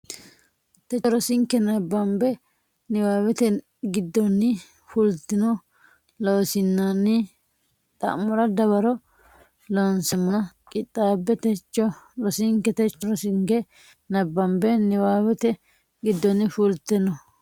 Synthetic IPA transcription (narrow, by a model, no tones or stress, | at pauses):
t̪ɛt͡ʃːɔɾɔsɪŋkːɛnɐbːɐmbɛ | nɪwaːwɛt̪ɛ | ɡɪd̪ːɔnːɪ | fult̪ɪnɔ | loːsɪnːɐnɪ | t̪ʼɐ̰mːɔɾɐd̪ɐβɐɾɔ | lonsɛmːʊnɐ | kʼɪt̪ʼːaːbːɛt̪ɛt͡ʃːɔɾɔsɪŋkːɛt̪ɛt͡ʃːɔɾɔsɪŋkɛ | nɐbːɐmbɛnɪwaːwɛt̪ɛ | ɡɪd̪ːɔnɪfult̪ɛnɔ